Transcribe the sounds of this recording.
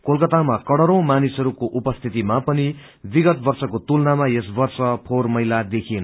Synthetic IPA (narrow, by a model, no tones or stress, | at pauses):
kolkʌt̪amakʌɽʌɾʌ̃w̃manisʌɾukoʔupʌst̪ʰit̪imapʌni | biɡʌt̪̚bʌrsʌkot̪ulnamajesbʌrsʌpʰormʌjlad̪ekʰien